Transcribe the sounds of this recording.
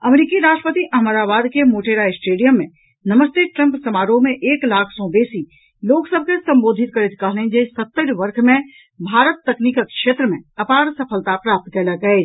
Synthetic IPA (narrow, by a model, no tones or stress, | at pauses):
ɐmɾiːkiɾaːʃʈɾəpət̪iʔɐɦməɾaːbaːd̪kemoːʈeːɾaːesʈeːɖijəmːẽ | nɐməst̪eʈɾə̃mpsɐmaːɾõmẽʔeːklaːkʰsɔ̃beːsi | loːksəb̚ʱkesɐ̃mboːd̪ʱɪt̪̚kɐɾet̪kaɦlẽd͡ʒesɐt̪ːəɾʋɐɾkʰmẽ | bʱaːɾət̪ːɐkniːkəkʃeːt̪ɾəmẽɐpaːɾsɐpʰəlt̪apɾaːp̚t̪kɐlaɡɐe